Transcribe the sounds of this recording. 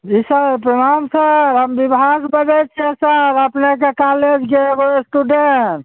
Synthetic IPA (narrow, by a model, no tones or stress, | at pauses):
d͡ʒisəɾpɾəmamsəɾɦəmbibʱasbəd͡ʒɛt͡ʃʰɛsəɾəpnek̬ekaled͡ʒɡeɡoesʈuɖeʈ